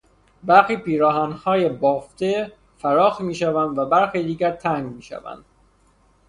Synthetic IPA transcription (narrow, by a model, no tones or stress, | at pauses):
bæɾxiːpiːɾɒːɦænhɒːjebɒːft̪ʰe | fæɾɒːxmiːʃævænd̪væbæɾxiːd̪iːɡæɾt̪ʰæŋɡmiːʃæ̰væ̰nd̪̥